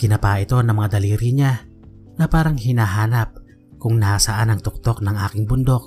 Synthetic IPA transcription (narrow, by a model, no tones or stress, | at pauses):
kɪnɐpaʔɪt̪o̞nɐŋmɐŋad̪ɐliːɾiɲa | nɐpaːɾɐŋhɪnaːɦaːnɐp̚ | kʊŋnɐhasɐʔanɐŋt̪ʊk̚t̪o̞knɐŋʔaːkɪŋbʊnd̪o̞k̚